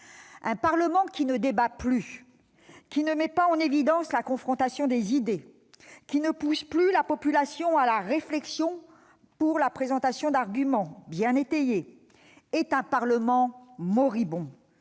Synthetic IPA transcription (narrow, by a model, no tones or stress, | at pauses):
ɛ̃paʁləmɑ̃kʲinəd̪ebaply | kʲinəmɛpaɑ̃nevid̪ɑ̃slakɔ̃fχɔ̃t̪asjɔ̃d̪ezid̪e | kʲinəpusplylapɔpylasjɔ̃alaʁeflɛksjɔ̃ | puʁlapχezɑ̃t̪asjɔ̃d̪aʁɡʲymɑ̃bjɛ̃net̪eje | ɛt̪ɛ̃paʁləmɑ̃mɔʁibɔ̃